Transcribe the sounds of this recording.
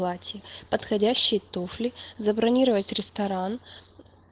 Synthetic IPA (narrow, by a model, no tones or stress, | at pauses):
lˠatʲɪjəpət̪xɐdʲæɕːɪjt̪oflʲɪzəbɾɐnʲiɾəvətʲɾʲɪst̪ɐɾan